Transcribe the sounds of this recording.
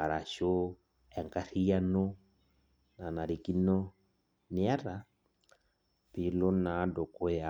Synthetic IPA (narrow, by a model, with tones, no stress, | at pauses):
a˨ɾa˨ʃo˦ | ɛ˨ŋka˦ɾi˦a˦nɔ˦ | na˨na˨ɾi˨ki˦nɔ˦ | nɪ˨˦a˦ɾa˨ | pi˨˦lo˦na˨˦dɔ˨kɔ˦ja˨